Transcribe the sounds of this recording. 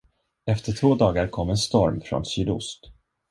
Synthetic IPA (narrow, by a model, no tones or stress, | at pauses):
ɛft̪əʈʰvoːd̪ɑːɡaɾkʰɔmːɛnst̪ɔɾmfɾɔ̰nsyːd̪ʊ̰st̪